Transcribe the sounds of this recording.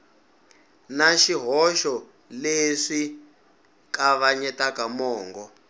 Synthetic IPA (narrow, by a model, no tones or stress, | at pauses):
naʃiɦɔʃɔ | leʂi | kaβaɲɛtakamɔːŋɡɔ